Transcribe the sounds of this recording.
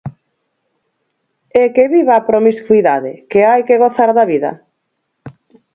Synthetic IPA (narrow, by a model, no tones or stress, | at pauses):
ekeβiβapɾomiskuiðaðɪ̰keajkeɣoθaɾðɐβiðɐ̰